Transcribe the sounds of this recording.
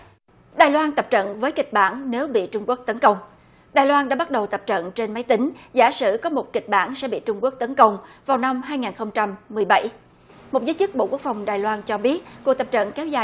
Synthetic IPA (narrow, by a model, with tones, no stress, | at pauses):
ɗaː˨˩jlwaː˧nt̪ə˨˩p̚t͡ɕə̰˧˨nvəː˨˦jkï˨˩k̟̚ɓa̰ː˧˩nne˨˦wɓḭ˧˨t͡ɕʊ˧ŋ͡mku˦˥ək̚t̪ə˨˦nkə˧wŋ͡m | ɗaː˨˩jlwaː˧nɗa̰ː˧˥ɓa˦˥t̚ɗə˨˩wt̪ə˨˩p̚t͡ɕə̰˧˨nt͡ɕe˧nma˨˦jt̪ï˨˦ŋ̟za̰ː˧˥sɨ̰˧˩kɔ˨˦mo˨˩t̚ki˨˩k̟̚ɓa̰ː˧˩nsɛ̰˧˥ɓḭ˧˨t͡ɕʊ˧ŋ͡mku˦˥ək̚t̪ə˨˦nkə˧wŋ͡mvaː˨˩wna˧mɦaː˧jŋaː˨˩nxə˧wŋ͡mt͡ɕa˧mː˨˩əjɓa˧˩j | mo˨˩t̚zəː˨˦jt͡ɕɨ˦˥k̚ɓo̰˧˨ku˦˥ək̚fa˨˩wŋ͡mɗaː˨˩jlwaː˧nt͡ɕɔ˧ɓi˦˥ət̚ku˨˩ək̚t̪ə˨˩p̚t͡ɕə̰˧˨nkɛ˨˦wzaː˨˩